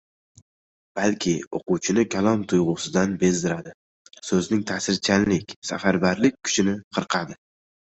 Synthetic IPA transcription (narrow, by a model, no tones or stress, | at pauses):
b̥alkʲʰɪo̰qʊwt͡ʃʰɪnɪkʲʰalˠɒmt̪ʰʊjʁʊsɪd̪anbe̞zd̪ɪɾad̪ɪ | sɵznɪŋt̪ʰasɪɾt͡ʃʰanlɪkʲsa̰faɾbaɾlɪk̚ʲkʰːʊ̥t͡ʃɪnɪqʰɨɾqʰɑd̪ɪ